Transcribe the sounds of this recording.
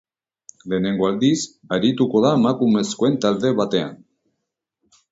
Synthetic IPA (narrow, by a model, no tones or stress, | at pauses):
le̞ne̞ŋɡo̞ald̪is | aɾit̪uko̞ðaemakume̞skoe̞nt̪ald̪e̞βat̪e̞a̰n